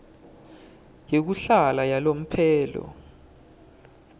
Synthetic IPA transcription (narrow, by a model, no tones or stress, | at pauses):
jek̬uɬalajalom̩pʰɛːlɔ̰